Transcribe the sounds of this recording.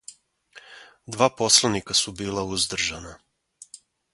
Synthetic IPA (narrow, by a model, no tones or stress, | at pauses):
d̪ʋaːpo̞slˠanikasubiːlauzd̪r̩ʒana